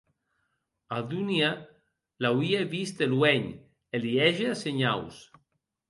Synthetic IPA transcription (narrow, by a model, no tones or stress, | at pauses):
aðunja | lawieβist̪elwɛɲ | eliɛʒeaseɲaws